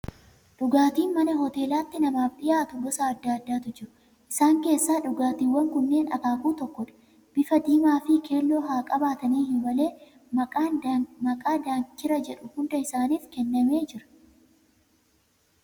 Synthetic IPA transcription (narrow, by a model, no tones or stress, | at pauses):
ᶑʊɡaːt̪iːnmɐnɐɦɔt̪e̞ːlaːt̪ːɪnɐmaːfᶑɪjaːt̪ʊbɔsaɐd̪ːaːd̪ːaːt̪ʊd͡ʒɪɾʊ | ʔɪsaːŋke̞ːsːaːᶑʊɡaːt̪iːwːɐŋkʊnːe̞ːnʔɐ̰kaːkuːt̪ɔkːɔᶑɐ̥ | b̥ɪfɐd̪iːmaːfɪkʰe̞ːlːo̞ːɦaːkʼɐbaːt̪ɐniːhɪnbɐle̞ː | mɐkʼaːnmɐkʼaːd̪aːnt͡ʃːɪɾɐd͡ʒɛᶑʊhʊnd̪ɐɪsaːniːfkɛnːɐme̞ːd͡ʒɪɾɐ̥